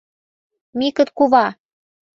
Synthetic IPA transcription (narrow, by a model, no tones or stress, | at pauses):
mikə̆t̪kuβɑ